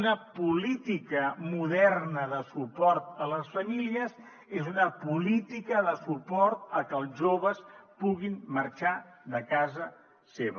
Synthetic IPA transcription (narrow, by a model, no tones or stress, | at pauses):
nəpulit̪ikəmuðɛrnəðəsupɔɾt̪̚ələsfəmiliəz | ezunəpulit̪ikəðəsupɔɾt̪əkəːlˠʒoβəspuɣinməɾt͡ʃaðəkazə | seβə